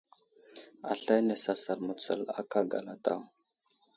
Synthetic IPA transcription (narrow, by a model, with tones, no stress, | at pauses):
a˨ɬa˦jne˨sa˨sa˨ɾmə˨t͡sə̰˨la̰˦ka˦ɡa̰˨la˨ta̰˦˨w